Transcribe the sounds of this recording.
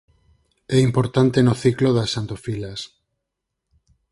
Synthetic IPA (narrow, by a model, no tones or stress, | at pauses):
ɛimpoɾt̪ant̪enoθikloðasːant̪ofilas